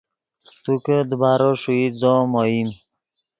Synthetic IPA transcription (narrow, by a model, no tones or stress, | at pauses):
t̪ukəd̪əbaɾɔʂuizɔmɔim